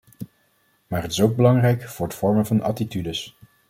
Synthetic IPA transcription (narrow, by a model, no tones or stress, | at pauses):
maːɹɦətɪsowɡ̚bəlɑŋrɛjkfʊːɹdəfɔɹməvɑnɑ̰titydəs